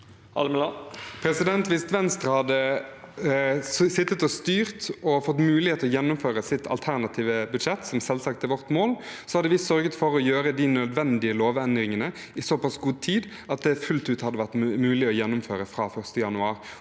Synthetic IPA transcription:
ɑ̰lməlɑpʰɾɛsɪd̪ɛnt̪ʋɪst̪ʋɛnst̪ɾəhɑd̪ːə | sɪt̪ːət̪ɔst̪yːʁt̪ɔfɔt̪ːmʉːlɪeːt̪əɔjɛnːʊmføːɾəsɪt̪ʰɑ̰lt̪ʰæʁnɑt̪ʰiːʋəbʉd̪ʂɛt̪sɔmsɛlsɑk̚t̪ʰɪlʋɔʁt̪moːlsɔhɑd̪əʋɪsœɾɡət̪fɔɾɔjøːɾəd̪inœd̪ʋɛnd̪ɪəloːʋɛnd̪ɾɪŋənə | ɪsɔpɑsɡuːd̪̚t̪ʰiːd̪ | ɑt̪̚d̪ɛfʉlt̪ʉːt̪hɑd̪ːəʋæʁt̪mʉːlɪɔjɛnːʊmføːɾəfɾɑːfœʁst̪əjɑnʉɑːɾ

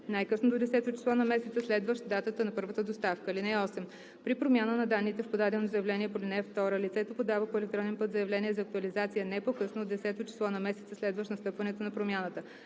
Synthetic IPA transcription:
najkɤsnod̪od̪ɛsɛt̪ʊt͡ʃi̥slˠɔnɐmɛsɛt̪səslɛd̪vəʃd̪at̪ət̪ənɐpɤɾvət̪əd̪ost̪afkəilinɛɔsɛm | pɾipɾomʲanənɐd̪anːit̪ɛfpod̪ad̪ɛnozɐjɐvlɛniɛpolinɛft̪ɔɾəlit̪sɛt̪opod̪avəpoɛlɛk̚t̪ɾɔnɛnpɤt̪zɐjɐvlɛniɛzɐːk̚t̪uɐlizat̪sijənɛpokɤsnoːd̪ɛsɛt̪ot͡ʃi̥slˠɔnɐmɛsɛt̪səslɛd̪vəʃnɐst̪ɤpvɐnɛt̪onɐpɾomʲjanət̪ə

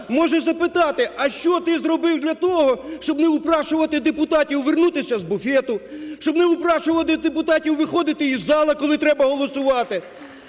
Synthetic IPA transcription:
mɔʒɛzɐpɪt̪ɑt̪ɪʔɐʃt͡ʃɔt̪ɪzɾɔbɪwd̪lʲɐt̪ɔɦɔʃt͡ʃɔbnɪʊpɾɑʃʊʋɐt̪ɪd̪epʊt̪ɑtʲiwʋernut̪ɪsʲɐzbʊfʲɛt̪ʊʃt͡ʃɔbnɪʊpɾɑʃʊʋɐt̪ɪd̪epʊt̪ɑtʲiwʋɪxɔd̪ɪt̪ɪizːɑlˠɐkɔlˠɪt̪ɾɛbɐɦɔlˠɔsʊʋɑt̪ɪ

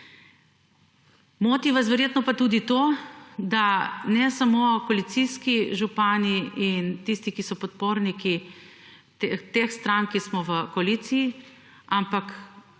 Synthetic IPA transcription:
moːt̪iʋas̬ʋɛɾjeːt̪nɔpat̪uːd̪it̪oːd̪anɛsamokoalit̪siskiʒupaːniint̪ist̪ikisɔpɔt̪̚poːɾniki | t̪et̪exst̪ɾaŋkismɔʋəkoaliːt̪siji | ampak

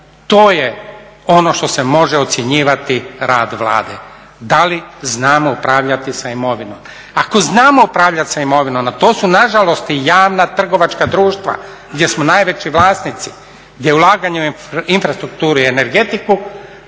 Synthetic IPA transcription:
t̪oːjeo̞no̞ʃt̪o̞se̞mo̞ʒeo̞t̪sʲjeɲiːʋat̪iɾaːd̪ʋlˠa̰ːd̪ḛ | d̪aliznaːmoupɾaːʋʎat̪isaimo̞ʋino̰m | ako̞znaːmo̞upɾaːʋʎat̪saimo̞ʋinomat̪o̞ːsunaʒalo̞st̪ijaːʋnat̪r̩ɡo̞ʋat͡ʃkad̪ɾuːʃt̪ʋa̰ | ɡd̪ʲje̞smonaːjʋe̞t͡ʃiʋlaːsnit̪si̥ | ɡd̪jeulˠaːɡaɲe | infɾast̪ɾuk̚t̪uːɾuiene̞ɾɡe̞t̪iku

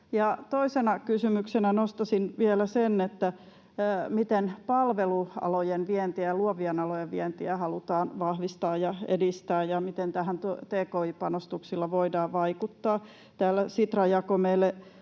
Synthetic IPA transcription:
jɑt̪oisenɑkysymyksenænost̪ɑsinʋielæsenːet̪ːæ | mit̪enpɑlʋeluɑ̰lojenʋient̪iæjɑluoʋiɑnɑlojeʋʋiɛnt̪iæhɑlut̪ɑːnʋɑhʋist̪ɑːjjɑḛdist̪æːjjɑmit̪ent̪æhænt̪ut̪eːkoipɑnost̪uksilːɑʋoidɑːʋʋɑikut̪ːɑː | t̪æːlːæsit̪rɑjɑkomelːe

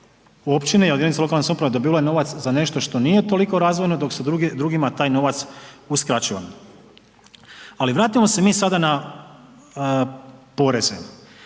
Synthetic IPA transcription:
o̞pt͡ɕinejeld̪enit̪salo̞kalnesupɾaʋed̪o̞biːalajeno̞ʋat̪szane̞ʃt̪o̞ʃt̪o̞nije̞t̪o̞liko̞ɾaːzʋo̞jno̞d̪o̞ksed̪ɾuɡimat̪aːjno̞ʋat̪suskɾat͡ɕiʋa̰m | aliʋɾaːt̪imo̞se̞miːsad̪ana | po̞ɾe̞zḛ

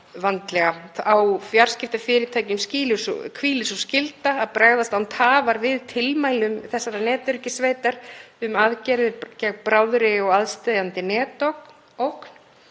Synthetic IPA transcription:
vant̪lɛɣaawfjaɾ̥scɪft̪afɪːɾɪɾt̪ʰaːjcʏmsciːlʏskʰviːlɪsɔscɪlt̪aːðpɾaːɣðast̪awnt̪ʰaːvaɾvɪðt̪ʰɪlmaːjlʏmθɛsːaɾanɛːt̪ʏɾcɪsveːjt̪aɾ̥ʏmaðcɛɾðɪcɛɣpɾaːwðɾɪɔɣaðst̪ɛjðant̪ɪnɛːt̪owk | owkn̥

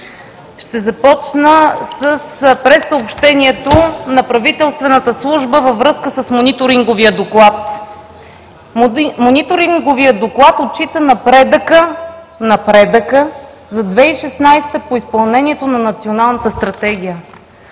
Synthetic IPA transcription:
ʃt̪ɛzɐpɔt͡ʃnəsəspɾɛsːəopʃt̪ɛniɛt̪onɐpɾɐvit̪ɛlˠst̪vɛnət̪əslˠuʒbəvəvɾɤskəsəsmonit̪oɾiŋɡoviəd̪oklˠat̪ | monit̪oɾiŋɡovijəd̪oklˠat̪ot̪̚t͡ʃit̪ənɐpɾɛd̪əkə | nɐpɾɛd̪əkə | zɐd̪vɛiʃɛsnajst̪əpoispɐlˠnɛniɛt̪onɐnɐt̪sionalˠnət̪əst̪ɾɐt̪ɛɡ̟ʲijə

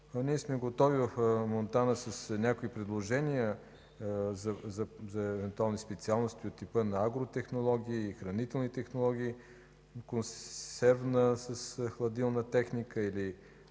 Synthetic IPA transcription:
niɛsmɛɡot̪ɔvivɐfmont̪anəsəsnʲakoipɾɛd̪lˠoʒɛnijə | zɐzɐzɐɛvɛnt̪ualˠnispɛt̪sialˠnost̪iot̪ːipənɐaɡɾot̪ɛxnolˠɔɡʲiːxɾɐnit̪ɛlˠnit̪ɛxnolˠɔɡ̟ʲiː | konssɛɾvnəsəsxlˠɐd̪ilˠnət̪ɛxnikəili

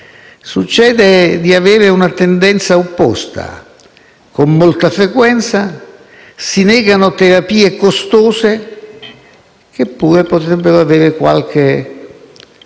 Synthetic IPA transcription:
sut͡ʃːɛːd̪ed̪iaveːɾɪunat̪end̪ɛnt̪saopːɔst̪a̰ | komːolt̪afɾekwɛnt̪sa | sinɛːɡanot̪eɾapiːekost̪oːse | k̟epːuːɾepot̪ɾɛbːeɾoaveːɾekwa̰lk̟e

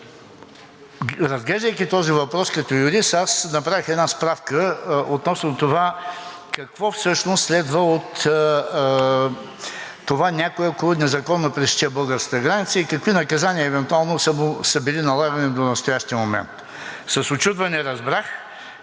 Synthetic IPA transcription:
ɾɐzɡlɛʒd̪əjkit̪ɔzivɐpɾɔskɐt̪ɔjʊɾisasnɐpɾavixɛd̪naspɾafkəot̪nɔsnot̪ova | kɐkvɔfsɤʃnost̪slɛd̪vəot̪ | ovanʲakoɛokolˠonɛzɐkɔnːopɾɛst͡ʃɛbɤlˠɡəɾskə̥t̪əɡɾanit̪səikɐkvinɐkɐzaniəɛvɛnt̪ualˠnosəmʊsəbilinɐlˠaɡɐnid̪onɐst̪ojaʃt̪iəmomɛ̰nt̪ | sɐsot͡ʃut̪vɐnɛɾɐzbɾax

